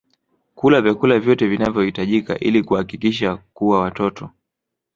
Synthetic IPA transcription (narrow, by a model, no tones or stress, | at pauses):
kulavjakulavjɔtɛvinavjɔhitaʄika̰ʔilikuakikiʃakuwawatɔtʰɔ